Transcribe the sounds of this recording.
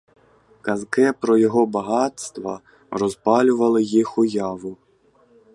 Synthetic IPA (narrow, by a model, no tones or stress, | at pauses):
kazkɛpɾɔjɔɣɔbaɣat̪st̪vɐ̰ | rɔzpalʲuvɐlˠɨjixujavu